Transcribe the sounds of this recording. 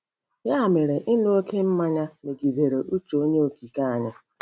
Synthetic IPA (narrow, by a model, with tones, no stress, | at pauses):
ja˦a˨me˨ɾe˨ʔɪ˦n˦o˦ke˦m̩˦ma˦ɲa˦me˨ɡi˨de˨ɾe˨ʔu˦t͡ʃo˨˦o˦ɲe˦o˨ki˨ka˦a˨ɲa˦